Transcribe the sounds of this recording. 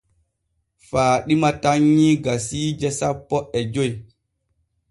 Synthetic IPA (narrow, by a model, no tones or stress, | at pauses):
faːɗimataɲːiɡasiːd͡ʒɛsapːɔʔɛd͡ʒoj